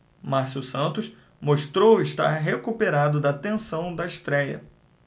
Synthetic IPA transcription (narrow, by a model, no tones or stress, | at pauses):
maɾsusɐ̃nt̪ʊs | moʃt̪ɾowɪʃt̪a̰ɾɦekupeɾad̪ʊd̪ɐt̪ẽsɐ̃w̃d̪ɐɪʃt̪ɾɛjɐ̰